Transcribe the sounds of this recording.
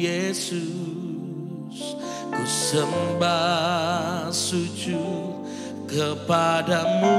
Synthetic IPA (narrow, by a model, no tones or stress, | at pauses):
esu | s | kusəmba | sud͡ʒu | kəpadamu